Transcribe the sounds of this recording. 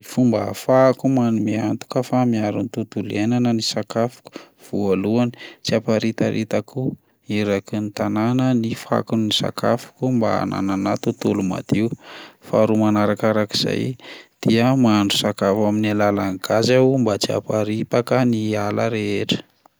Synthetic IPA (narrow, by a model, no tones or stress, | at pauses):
ifumbaafakumanumiant̪u̥kəfamiaɾunt̪ut̪ulenanənisakafu̥ku̥v̥ualuani̥t͡siapaɾit̪a̰ɾʔit̪akʰu | iɾakinit̪ananənifa̰kunnisa̰kʰa̰fu̥kumba̰a̰na̰nanat̪ut̪uluma̰d̪̥iufaɾumanaɾakaɾaki̥z̥a̰jd̪̥iəmaɳɖ͡ʐusakafaminalalaŋɡ̥azambat͡sia̰paɾipakənialaɾeeʈ͡ʂə̥